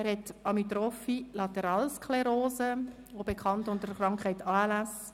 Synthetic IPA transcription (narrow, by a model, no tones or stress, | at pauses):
ɛɾhɛtɑmit̪ɾɔfilɑtɛɾɑːlskʰlɛɾoːzə | obekʰχɑntʊntəɾχrɾɑŋkχɛɪtaːlas